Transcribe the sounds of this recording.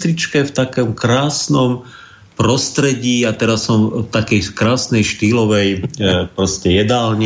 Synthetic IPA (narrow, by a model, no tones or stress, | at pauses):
t̪ɾit͡ʃkɛft̪akɔmkɾaːsnɔm | pɾɔst̪ɾɛɟiːat̪ɛɾassɔmft̪akɛjkɾaːsnɛjʃt̪iːlɔʋɛjpɾɔscɛjɛd̪aːlɲ